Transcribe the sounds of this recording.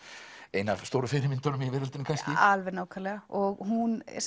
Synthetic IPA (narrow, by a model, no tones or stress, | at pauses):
eːjnavst̪owɾʏfɪɾɪmɪnt̪ɔɾʏmɛvɪːɾalt̪ɪnɪkʰajsc̪ɪalvɛnaːwkʰaɾlɛɣaɔɣɦuns